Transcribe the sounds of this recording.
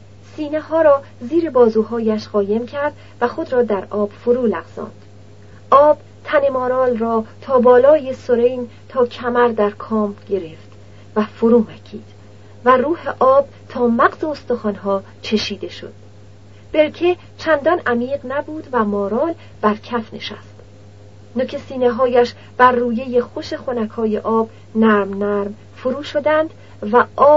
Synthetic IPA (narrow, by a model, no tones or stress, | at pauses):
siːnehɒːɾɒː | ziːɾe̞bɒːzuːɦɒːjæʃɢɒːje̞mcʰæɾd̪ | væxo̞d̪ɾɒːd̪æɾʔɒːb̥foɾuːlæɣz̥ɒ̰ːnd̪̥ | ʔɒːb̥ | t̪ʰæne̞mɒːɾɒːlrɒːt̪ʰɒːbɒːlɒːjesoɾejnt̪ʰɒːcʰæmæɾd̪æɾkʰɒːmɟe̞ɾeft̪ | væfoɾuːmæcʰiːd̪̥ | væruːhe̞ʔɒːb̥̚ | t̪ʰɒːmæɢzeost̪oxɒːnɦɒː | t͡ʃʰe̞ʃiːd̪e̞ʃo̞̰d̪̥̚ | b̥e̞ɾkʰe | t͡ʃʰænd̪ɒnæmiːʁnæbuːd̪væmɒːɾɒːl | b̥æɾcʰæfne̞̰ʃæ̰st̪ | nokcʰesiːneɦɒːjæʃ | b̥æɾːuːje̞jexoʃe̞xonækʰɒːjeʔɒːb̥ | næɾmnæɾm | foɾuːʃo̞d̪ænd̪̥ | væʔɒː